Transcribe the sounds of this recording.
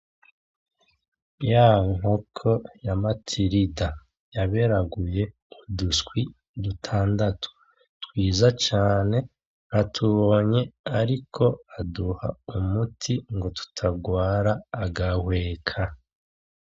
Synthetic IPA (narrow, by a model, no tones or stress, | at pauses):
jaŋokʰo̞jamatʰiɾida | jaβe̞ɾaɡuje̞ | uduskwi | dutʰaːndatʰu̥ | twiːzat͡ʃaːne̞ | ŋatʰuβo̞ːɲe̞aɾikʰo̞aduha̰umutʰiŋɡo̞tu̥tʰaɡwaːɾaːɡawe̞ːkʰa